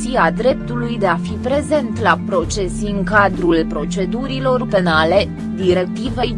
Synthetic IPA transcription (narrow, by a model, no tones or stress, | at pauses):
iad̪ɾe̞p̚t̪ulujd̪e̞afipɾe̞ze̞nt̪lapɾo̞t͡ʃe̞siɨŋkad̪ɾulpɾo̞t͡ʃe̞d̪uɾilo̞rpe̞nale̞ | d̪iɾe̞k̚t̪ive̞j